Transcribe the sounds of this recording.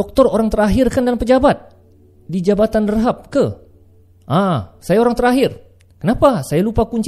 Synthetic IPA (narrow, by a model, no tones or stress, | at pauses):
ɔk̚t̪ɔroɾaŋt̪əɾaɦɪrkandalampəd͡ʒabat̪̚ | did͡ʒabat̪andərɦap̚kə | ʔasajaoɾaŋt̪əɾaɦɪr | kənapasajalupakuɲt͡ʃ